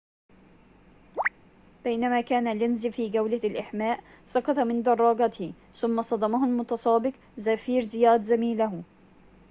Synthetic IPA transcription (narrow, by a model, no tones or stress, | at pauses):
b̥ajnamaːkaːnalɪnzifiːɡawlalʔaħmaːʔ | sˤɑqɑt̪ˤɑmɪnd̪ɑrˤːɑːɡɑt̪h | θʊmːasˤɑd̪ˤɑmahʊlmʊt̪ɑsˤɑːbɪq | zafiːɾzɪjaːd̪zamiːlah